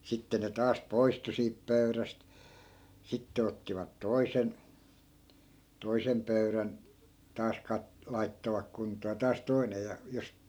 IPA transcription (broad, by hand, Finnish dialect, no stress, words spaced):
sitːe ne tɑːs poistu siːp pøyræst sitːe otːiʋɑt toi̯sen toisem pøyræn tɑːs kɑt lɑitːoʋɑk kuntˑoː jɑ tɑːs toinej jɑ jos